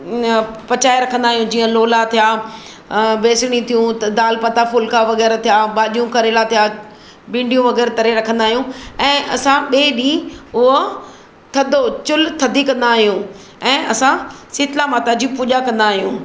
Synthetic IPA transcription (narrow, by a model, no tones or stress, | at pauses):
pɐt͡ɕaːeɾɐkʰə̃nd̪aːɦijũd͡ʑiːə̃loːlat̪ʰijaː | beːsɽ̃ĩt̪ʰijũt̪d̪aːlpɐt̪afʊlkaʋɐɣɛːɾt̪ʰijabaːʄijũkɐɾeːlat̪ʰija | bɪ̃ːɳɖijũʋɐɣɛːɾt̪ɐɾeɾɐkʰə̃nd̪aːɦijũɛ̃ːʔɐ̰sãɓeːɗĩːʊɦ | t̪ʰɐd̪ʱot͡ɕʊlt̪ʰɐd̪ʱikɐ̃nd̪aːɦijũ | ɛ̃ːʔɐsãsɪt̪lamaːt̪ad͡ʑipʊʄakɐ̃nd̪aːɦijũː